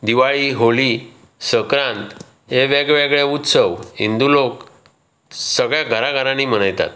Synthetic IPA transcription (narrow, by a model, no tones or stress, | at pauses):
d̪iʋaɭiɦoli | səkɾãnt̪ | ɦeʋeɡɭʋeɡɭeut̪səʋɦḭnd̪ulok | səɡɭjaɡʱəɾaɡʱəɾãnim̤əɽ̃ajt̪a̰t̪̚